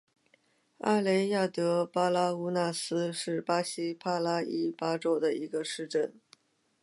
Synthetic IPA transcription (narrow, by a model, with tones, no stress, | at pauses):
a̰˥le˧˥ɪja˥˩t̪ɤ˧˥pa˥la˥u˧˥na˥˩sɹ̩˥ʂɻ̩˥˩pa˥ɕi˥pʰa˥la˥i˥˩pa˥ʈ͡ʂo˥ʊd̪ə˨i˧˥ɡə˧ʂɻ̩˥˧ʈ͡ʂə˥˩n